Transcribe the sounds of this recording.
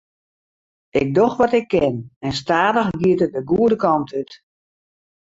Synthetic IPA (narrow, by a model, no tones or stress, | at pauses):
ɪk̚dɔxʋɔtɪkʰːɪnɛnstaːdəxɡiətədəɡuədəkɔmtʰyt